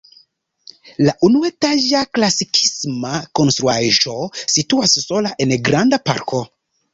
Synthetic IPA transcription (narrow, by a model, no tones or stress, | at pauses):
laʔunuetaʒaklasikʰismako̞nst̪ɾuaʒo̞situasːo̞laʔe̞nɡɾandapa̰ɾkʰo̞